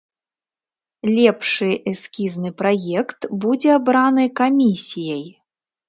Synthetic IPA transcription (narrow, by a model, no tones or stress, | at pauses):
lʲɛpʂɨʔɛskʲiznɨpɾajɛkt̪bud͡zʲɛabɾanɨkamʲisʲijɐj